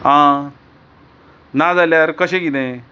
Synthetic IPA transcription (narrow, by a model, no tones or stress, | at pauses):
ɦã | nad͡zaljaɾkəɕẽɡid̪ẽ